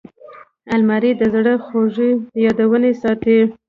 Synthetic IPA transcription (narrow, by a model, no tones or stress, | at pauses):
almaɾid̪əzɽəxoʐijɑd̪awənesɑt̪e